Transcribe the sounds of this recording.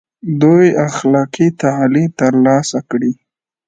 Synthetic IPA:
d̪ujaxlɑqit̪aʕlit̪əɾlɑsakɽi

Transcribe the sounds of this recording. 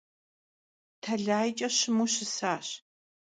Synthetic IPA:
tʰɐɮaːjt͡ʃʼɐɕɪmuɕɪsaːɕ

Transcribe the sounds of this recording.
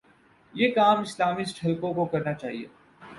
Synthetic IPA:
jeːkaːmɪslaːmisʈʰɐlkõkokɐɾnat͡ʃaːɦiḛː

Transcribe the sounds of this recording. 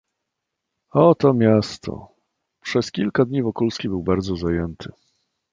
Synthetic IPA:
ɔt̪ɔmʲjast̪ʰɔ̰ | pʂɛskʲilkad̪ɲivɔkulskʲibɘwbaɾd̪zɔzajɛnt̪ʰɘ

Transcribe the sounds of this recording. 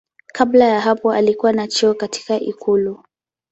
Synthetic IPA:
kʰablajaɦapɔalikuwanat͡ʃiɔkatʰi̥kaʔikulu

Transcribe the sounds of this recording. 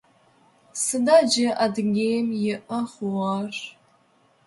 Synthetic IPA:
sɨnad͡ʒɪʔadɡʲejmjɪʔəχwaʃʷ

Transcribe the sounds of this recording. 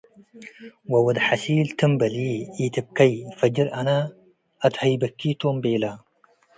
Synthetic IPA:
wɐwɐd̪ħasiːlt̪ɨmbɐliːit̪ɨb̚kɐjfɐd͡ʒɨɾʔɐna | ɐt̪hɐjbɐkːit̪ombeːla

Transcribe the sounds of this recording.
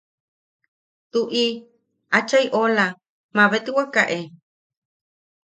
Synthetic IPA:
t̪uʔi | at͡ʃaiʔola | maβet̪iwakaʔe

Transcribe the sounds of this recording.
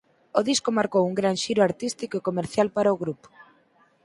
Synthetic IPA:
oðiskomaɾkowuŋɡɾanʃiɾoaɾt̪ist̪ikoekomeɾθjalpaɾaoɣɾupo̥

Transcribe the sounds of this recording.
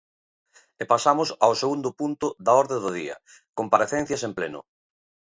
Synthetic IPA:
epasamʊsawseɣund̪ʊpunt̪ʊðaɔɾðeðoð̞ḭɐ̰ | kompaɾeθen̟θjɐsemplenʊ̰

